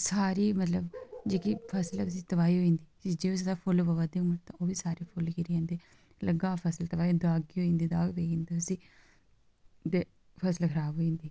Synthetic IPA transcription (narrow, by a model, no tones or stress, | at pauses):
saːɾiːmət̪ləbd͡ʒeːkiːpʰəslsiːt̪əbaːiːɦoːĩːnd̪iːsid͡ʒeːos̬əd̪aːpʰʊlbəʋad̪eːʊmət̪ãːʔoːʋiːsaːɾiːpʰʊlkiɾiãːnd̪eː | ləɡaːpʰəslt̪əbaːid̪aːɡiːɦoːĩːnd̪iːd̪aːkd̪eːĩːnd̪iʊsĩː | t̪eː | pʰəslkʰəɾaːbɦoːĩːnd̪iː